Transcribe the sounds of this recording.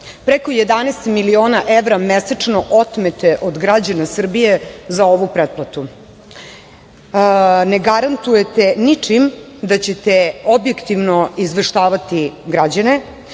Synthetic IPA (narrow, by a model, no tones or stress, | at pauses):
pɾeko̞jed̪anɛst̪milio̞ːnaʔeʋɾamesat͡ʂnoʔot̪met̪eʔod̪ɡɾad͡ʑanasr̩bije̞zaoʋupɾet̪̚plat̪u | neɡaɾant̪ujet̪enit͡ʂim | d̪at͡ɕet̪eobjekt̪iʋnoizʋrʂt̪aːʋat̪iɡɾad͡ʑane